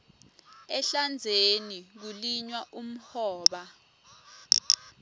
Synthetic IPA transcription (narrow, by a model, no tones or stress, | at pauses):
ɛɬand͡zʱenik̬uliɲwaʔum̩hɔːɓa